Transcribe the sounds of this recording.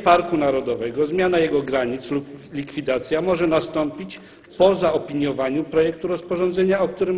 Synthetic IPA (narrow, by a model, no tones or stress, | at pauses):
paɾkunaɾɔd̪ɔvɛɡɔzmʲjanajɛɡɔɡɾaɲit̪sluplʲikfʲid̪at̪sʲjamɔʐɛnast̪ɔmpʲit͡ɕ | pɔzaɔpʲiɲjɔvaɲupɾɔjɛk̚t̪uɾɔspɔʐɔ̃nd̪zɛɲaɔkt̪uɾɘm